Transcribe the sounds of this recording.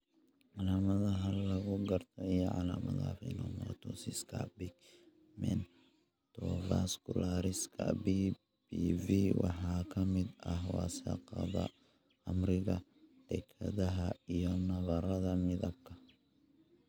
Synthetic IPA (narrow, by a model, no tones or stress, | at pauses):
ʕɑlaːmɐðɐɦɐlɐɣʊɡɐrt̪ʰɔijɔʕɑ̰laːmɐ̰ða̰fɛnɔmɔt̪ʰɔsɪskʰa̰bɪɡ | mɛ̰n | t̪ʰɔvaskʰʊlaːɾɪskʰɐ̰bi | biviwɑħɑːkʰɐmɪd̪ɐɦwɑːsɐqɑðɐ̰ | ɐmrɪɣɐd̪̥ɛkʰɐðɐɦɐijɔnɐβɐɾɐðɐmɪðɐb̚kʰɐ